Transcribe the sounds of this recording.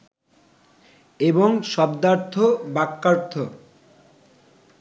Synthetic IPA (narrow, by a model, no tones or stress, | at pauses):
eboŋʃɔbd̪aɾt̪ʰːobakːaɾt̪ʰo